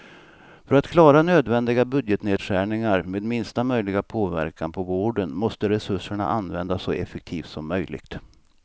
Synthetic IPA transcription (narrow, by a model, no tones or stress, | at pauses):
fœɾat̪kʰlɑːɾanøːd̪vɛnd̪ɪɡabɵd̪jət̪neːd̪ɧæːɳɪŋaɾmeːd̪mɪnst̪amœjlɪɡapʰoːvæ̰ɾkanpʰɔvoːɖənmɔst̪əɾɛsɵʂːəɳa̰ʔanːvɛnd̪asːɔʔɛfɛk̚t̪ʰiːft̪sɔmːœjlɪ̰ɡ̥t̪